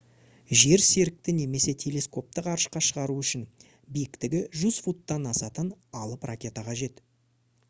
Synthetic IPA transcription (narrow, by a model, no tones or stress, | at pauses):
ʒe̞ɾse̞ɾɪk̚t̪ɪne̞me̞se̞t̪ʰe̞le̞sko̞p̚t̪əqɑɾəʃqɑʃəʁɑɾuʏʃɪn | bijɪkt̪ɪɡʲɪʒuzfut̪ːɑnɑsɑt̪ənɑlˠəprakʲe̞t̪ɑqʰɑʒe̞t̪